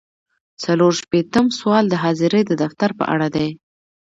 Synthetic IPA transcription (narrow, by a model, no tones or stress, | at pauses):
t͡saloɾʃpet̪əmswɑld̪əɦɑzɪɾed̪əd̪aft̪aɾpə̰ʔa̰ɽad̪aj